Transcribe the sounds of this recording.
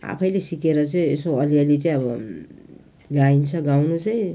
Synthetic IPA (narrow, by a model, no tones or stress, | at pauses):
a̰pʰʌjlesikeɾʌt͡sʌĩesoʌliʌlit͡saĩʌbʌ | ɡaint͡sʰʌɡawnut͡sʌj̃